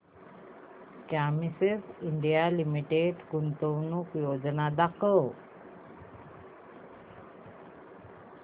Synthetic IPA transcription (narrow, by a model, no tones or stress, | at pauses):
kamisesiɳɖijalimiʈeɖkunt̪ownukjoːd͡ʑənad̪akə